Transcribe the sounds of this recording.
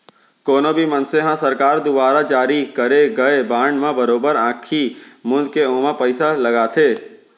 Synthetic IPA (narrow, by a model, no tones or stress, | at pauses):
koːnõbʱimɐnseɦãsɐɾkaːɾd̪ʊbaːɾad͡ʒaːɾikɐɾeɡɐebãːɳɖmãbɐɾoːbəɾãːkʰimʊ̃nd̪keõːmãpəɪsalɐɡaːt̪ʰeː